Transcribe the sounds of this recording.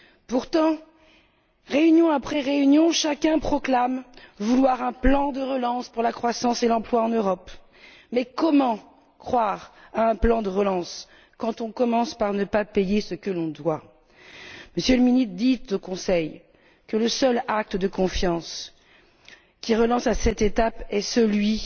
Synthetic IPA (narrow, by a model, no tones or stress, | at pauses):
puʁt̪ɑ̃ | ʁeynjɔ̃apχɛʁeynjɔ̃ʃakʲɛ̃pχɔklamvulwaʁɛ̃plɑ̃d̪əʁəlɑ̃spuʁlakχwasɑ̃selɑ̃plwaɑ̃nøʁɔp | mɛkɔmɑ̃ | kχwaʁaɛ̃plɑ̃d̪əʁəlɑ̃s | kɑ̃t̪ɔ̃kɔmɑ̃spaʁnəpapejesəkəlɔ̃d̪wa | məsjøləminit̪d̪it̪okɔ̃sɛj | kələsœlak̚t̪d̪əkɔ̃fjɑ̃s | kʲiʁəlɑ̃sasɛt̪et̪apɛsəlɥi